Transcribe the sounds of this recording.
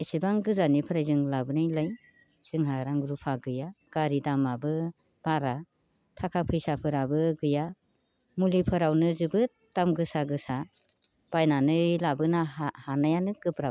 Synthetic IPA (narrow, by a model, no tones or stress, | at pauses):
esibaŋɡɯzanipʰɯɾajzɯŋlabɯnɯjlaj | z̥ɯŋɦaɾaŋɡɾupʰaɡɯjaɡ̥aɾidamabɯ | b̥aɾa | tʰakʰapʰɯjsapʰɯɾabɯɡɯja | mulipʰɯɾawnɯzɯbɯ | tamɡɯsaɡɯsa | b̥ajnanɯjlabɯnahanajanɯɡɯpɾab